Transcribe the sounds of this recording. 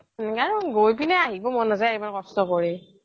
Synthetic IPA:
kaɹɔnɡojpinɛaɦibɔmɔnazajaɹimakɔstɔkɔɹi

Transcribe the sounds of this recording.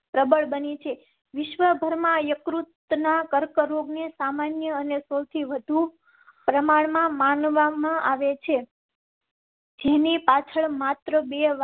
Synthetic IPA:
pɾəbəɭbənit͡ʃʰe | ʋɪʃʋəbʱəɾmãjəkɾut̪nakəɾkəɾoɡnesamanjəːnesəwt̪ʰiʋəd̪ʱu | pɾəmaɭmãmanʋamãʔaʋet͡ʃʰe | d͡ʒenipat͡ʃʰəɭmat̪ɾəbeʋ

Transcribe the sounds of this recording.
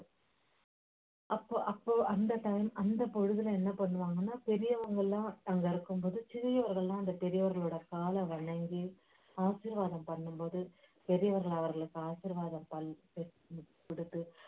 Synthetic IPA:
ʔɐpːoːʔɐpːoːʔɐnd̪ɐt̪ɐjmɐnd̪ɐpɔɻɯðɪlɐɛnːɐpɐɳːɯʋaːŋɡɐnːaːpɛɾɪjɐʋɐŋɡɐɭlãːɐŋɡɐɪɾɯkːɯmpoːðɯt͡ʃɪɣɪjɐʋɐɾɣɐɭlãːɐnd̪ɐpɛɾɪjɐʋɐɾɣɐɭoːɽɐkaːlɐʋɐɳɐŋɡi | aːʂiɾʋaːðɐmpɐɳːɯmpoːðɯpɛɾɪjɐʋɐɾɣɐɭɐʋɐɾɣɐɭɯkːɯaːsiɾʋaːðɐmpɐɭpɛ | pɪɽɯt̪ːɯ

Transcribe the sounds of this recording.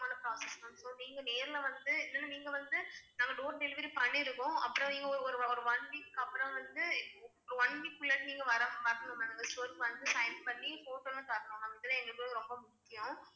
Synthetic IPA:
aːnɐpɾaːsɛsmɐnsoːniːŋɡɐneːɾɪlɐʋɐnd̪ɯɛnːɐnːaːniːŋɡɐʋɐnd̪ɯnaːŋɡɐɖoːɾnɪlɪʋɪɾipɐɳːɪɾɯkːʊ̃ɐ̰pːɯɾɔ̃niːŋɡɐɔɾɔɾɯɔɾɯʋɐɳʋikkːɐpːɯɾɐ̃ʋɐnd̪ɯɔɾɯʋɐɳʋikːʊɭːɐnʈːɯniːŋɡɐʋɐɾɐmʋɐɾɯŋɡɐmːanaːŋɡɐsʈoːɾʈʋɐnd̪ɯsɐɪnpɐɳːifoːʈːoːnãt̪aːkɐnõnaːɡɐɪðɐlːɐ̃ɛŋɡɐkoːɯɾɔmbɐmʊkːɪjʊ̃

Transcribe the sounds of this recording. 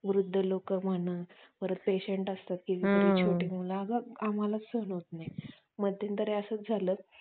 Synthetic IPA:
ʋɾud̪ʱːəlokəm̤əɳ̃əːʋəɾət̪̚peɕeɳʈəst̪at̪̚kiːʋiɾiːt͡ɕʰoʈiːmulaaɡəam̤alat͡ssəɦnɦot̪̚naj | məd̪ʱjənt̪əɾeəsəːt͡sd͡zʱaləː

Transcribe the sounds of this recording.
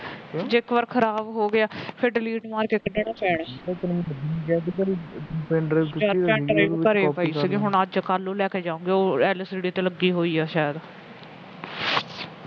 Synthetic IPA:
d͡ʒɪkʋəɾkʰəɾaːbɦoːɡɪaːpʰɪɾɖɪliːʈmaːɾkeːkəɖaːɽaːpɛːɳːek̪ənmikɛːkikəɾipɛːɳʈɾeɛ̃ːɳɾeːkəɾeːpaːiːsɡeɦʊɳəd͡ʒkalːũːlɛːkeːd͡ʒaːõːŋɡeːoːɛːləsd͡ʒeɽiːt̪eːləɡːiːɦoːiːaːʃaːjəd̪

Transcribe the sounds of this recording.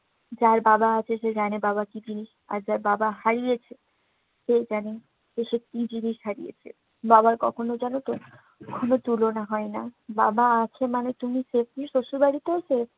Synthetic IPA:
d͡ʑaɾbabaat͡ɕʰeʃed͡ʑanebaβakid͡ʑiniʃ | a̰ɾd͡ʑaɾbabaɦaɾijet͡ɕʰe | ʃed͡ʑane | ʃeʃekid͡ʑiniʃɦaɾijḛt͡ɕʰḛ | babaɾkɔ̰kʰonod͡ʑanot̪o | kʰonot̪ulonaɦɔenababaat͡ɕʰemanet̪umisefniʃoʃubaɽit̪osef

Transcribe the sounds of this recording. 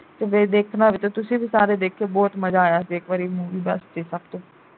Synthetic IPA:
t̪eʋeːd̪eːkʰnaːʋiːt̪õːt̪ʊsĩːbiːsaːɾeːd̪eːkʰːeːbɔːt̪məzaːjaːsiːɪkʋaːɾiːmuːʋiːbəsd͡ʒiːsəbt̪õː

